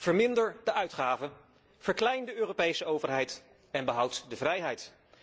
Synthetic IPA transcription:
v̥əɹmɪndəɹdəʔœɥtχaːvə | v̥əɹklɛjndəøːropejsəowvəɹɦɛjt | ɛnbəɦʌwtdəvrɛjɦɛjt

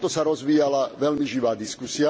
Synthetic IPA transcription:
t̪ɔsaɾɔzʋiːjalaʋɛlmiʒiʋaːd̪iskusia

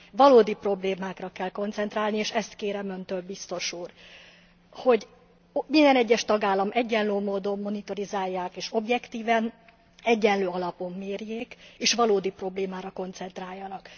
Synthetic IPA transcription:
vɒloːd̪ipro̞bleːmaːkrɒkɛlko̞nt̪sɛnt̪raːlnieːʃɛst̪keːɾɛmønt̪øːlbist̪o̞ʃuːr | ho̞ɟ | mind̪ɛnɛɟːɛʃt̪ɒɡaːlːɒmɛɟːɛnløːmoːd̪o̞mːo̞nit̪o̞ɾizaːjːaːkeːʃo̞bjɛkt̪iːvɛn | ɛɟːɛnløːɒlɒpo̞mːeːrjeːkeːʃʋɒloːd̪ipro̞bleːmaːɾɒko̞nt̪sɛnt̪raːjːɒnɒk

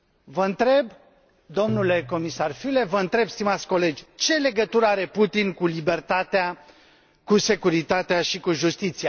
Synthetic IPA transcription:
vəɨnt̪ɾe̞b | d̪o̞mnule̞ko̞misarfyle̞vəɨnt̪ɾe̞bst̪imat̪sʲko̞le̞d͡ʒʲt͡ʃe̞le̞ɡət̪uɾəaɾe̞put̪inkulibe̞rt̪at̪ea | kuse̞kuɾit̪at̪eaʃikuʒust̪it̪sia

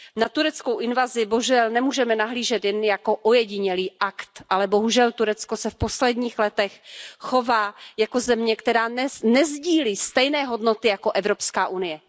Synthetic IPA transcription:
nat̪uɾɛt͡skowʔɪnvazɪboʒɛlnɛmuːʒɛmɛnaɦliːʒɛt̪jɛnjako̞ʔojɛɟɪɲɛliːʔakt̪ʔalɛbo̞ɦuʒɛlt̪uɾɛt͡sko̞sɛfpo̞slɛdɲiːxlɛt̪ɛxxo̞vaːjako̞zɛmɲɛkt̪ɛɾaːnɛnɛzɟiːliːst̪ɛjnɛːɦo̞dnot̪ɪjako̞ʔɛvɾo̞pskaːʔunɪjɛ

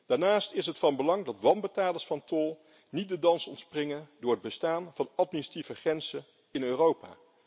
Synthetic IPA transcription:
d̥aːɹnaːstɪsɦətfɑnbəlɑŋdɑtʋɑmbətaːləsfɑntolˠ | nit̚dədɑnsɔntsprɪŋəndʊːɹɦəd̚bəstaːnv̥ɑnɑt̚minisativəχrɛnzən | ɪnøːrowpa̰ː

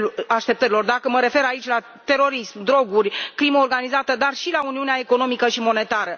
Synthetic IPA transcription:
aʃt̪e̞p̚t̪əɾilo̞rd̪akəməɾe̞fe̞ɾait͡ʃʲla | t̪e̞ɾo̞ɾismd̪ɾo̞ɡurʲkliməorɡanizat̪əd̪arʃilauniuneae̞ko̞no̞mikəʃimo̞ne̞t̪aɾə

